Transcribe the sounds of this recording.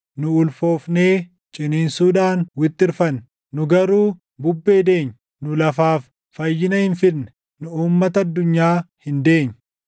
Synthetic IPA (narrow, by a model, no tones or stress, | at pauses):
nʊʊlfo̞ːfneː | t͡ʃʼɪneːnsuːᶑaːnwɪt̪ʼːɪɾfɐnː | nʊɡɐɾuː | bʊbːe̞ːd̪e̞ːɲː | nʊlɐfaːfː | ɐjːɪnɐhɪnfɪɾnɛ̥ | nʊuːmːɐt̪ɐɐd̪ːʊɲːaːhɪnd̪e̞ːɲː